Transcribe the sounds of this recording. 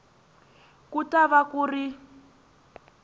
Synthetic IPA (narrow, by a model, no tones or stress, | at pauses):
kutʼaβakuri